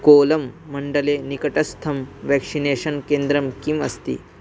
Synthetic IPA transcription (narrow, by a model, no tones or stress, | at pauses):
koːlɐmːɐɳɖɐlenikɐʈɐst̪ʰɐmʋɛkʂineːʃɐnkeːnd̪ɾɐmkimɐst̪ḭː